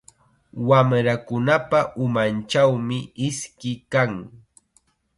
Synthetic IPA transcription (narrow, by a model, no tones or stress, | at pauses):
wamɾakʊnapaʔʊmant͡ʃawmɪɪskɪkaŋ